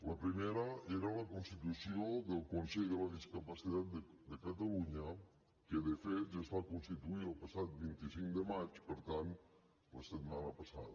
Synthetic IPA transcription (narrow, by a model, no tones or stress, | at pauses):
ləpɾimeɾəeɾaləkunst̪it̪usioðəlˠkonsɛʎðəlaðiskapasiðat̪̚d̪ | d̪əkat̪aluɲə | keðefet̪ʒasfakonst̪it̪uiəlˠpasat̪̚bint̪isiŋkd̪əmat͡ʃpəɾt̪ant̪ | ləset̪manəpasa̰ðə